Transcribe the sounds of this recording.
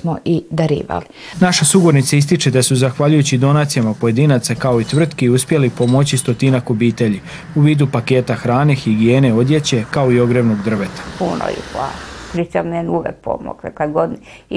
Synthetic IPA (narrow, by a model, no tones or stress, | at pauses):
moʔid̪aɾḭːʋa̰li | naʃasuɡuɾnit̪saist̪it͡ʃe̞d̪asuzaxʋaʎujut͡ɕid̪o̞naːt̪sijamapo̞je̞d̪iːnat̪sakao̞it̪ʋr̩t̪kiuspje̞lipo̞mo̞t͡ɕist̪ot̪inakobiːt̪e̞ʎi | uʋiːd̪upake̞ːt̪axɾaːnixiɡije̞ːne̞o̞d̪je̞t͡ɕe̞kao̞io̞ɡɾeʋno̞ɡd̪r̩ʋet̪ḁpuno̰ḭpla̰skɾit͡ʃamienuʋek̚po̰mo̰ɡakleɡod̪n